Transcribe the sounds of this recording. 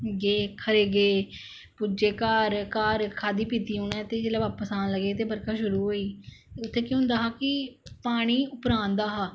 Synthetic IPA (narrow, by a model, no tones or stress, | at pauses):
ɡeːkʰəɾeːɡeː | pʊd͡ʒeːkaːɾkaːɾkʰaːd̪iːpiːt̪iːɦʊnɛːt̪eːd͡ʒeːlɛːʋaːpəsaːnləɡeːt̪eːbəɾkaːʃʊɾuːɦoːiːt̪eːʊt̪ʰːeːkjõːʊ̃nd̪aːɦaːkɪpaːɽ̃iːʊpɾãːnd̪aːɦaː